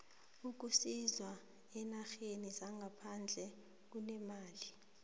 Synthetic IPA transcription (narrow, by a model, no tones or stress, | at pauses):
uk̬usizwa | ɛnaxenizaŋɡʱapʰand͡ɮʱɛ | k̬unɛmaːli